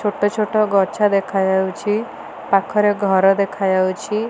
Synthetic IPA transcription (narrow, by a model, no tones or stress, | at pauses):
t͡ʃʰoʈɔt͡ʃʰoʈɔɡɔt͡ʃʰad̪ekʰad͡ʒawt͡ʃʰi | pakʰɔɾeɡʱɔɾɔd̪ekʰajawt͡ʃʰi